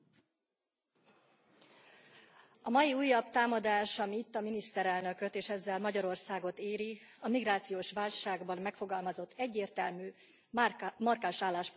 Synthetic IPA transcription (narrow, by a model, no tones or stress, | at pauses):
ɒmɒjiuːjːɒbt̪aːmɒd̪aːʃɒmiit̪ːɒminist̪ɛɾɛlnø̞køt̪eːʃɛzːɛlmɒɟɒɾo̞rsaːɡo̞t̪eːɾiɒmiɡraːt̪sijoːʃʋaːlʃaːɡbɒmːɛkfo̞ɡɒlmɒzo̞t̪ːɛɟːeːrt̪ɛlmyː | mɒrkaːʃaːlːaːʃp